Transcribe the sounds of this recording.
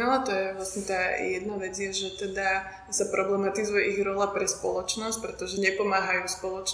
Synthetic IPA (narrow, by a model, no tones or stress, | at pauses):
ɛlat̪ɔjɛʋlasɲɛt̪aːjɛd̪naʋɛd͡zɪjɛʒɛt̪ɛd̪a | sapɾɔblɛmat̪izujɛʔiɣɾɔlapɾɛspɔ̰lɔt͡ʃnɔsc̚pɾɛt̪ɔʒɛɲɛpɔmaːɦajuːspɔlɔt͡ʃ